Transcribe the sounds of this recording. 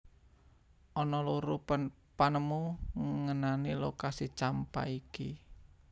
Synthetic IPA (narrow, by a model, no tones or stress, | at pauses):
ʔɔnɔluɾu | panəmuŋŋənanilokasit͡ʃampa̰iki